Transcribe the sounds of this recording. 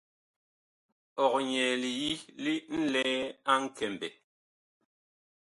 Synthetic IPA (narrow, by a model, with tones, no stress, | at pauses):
ɔ˨k̚ɲɛ˨li˨ji˦li˦n̩˦lɛː˦a˦ŋ̩˦kɛ˨m˨bɛ˨